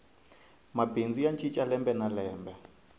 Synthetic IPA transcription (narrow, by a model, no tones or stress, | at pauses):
mabend͡zijant͡ʃʼit͡ʃʼalɛmbɛnalɛːmbɛ